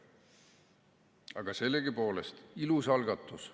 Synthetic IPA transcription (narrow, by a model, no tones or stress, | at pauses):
ɑ̰ɡ̥ɑse̞lːeɡipo̞ːlest̪ilusɑlɡ̥ɑt̪ːˑus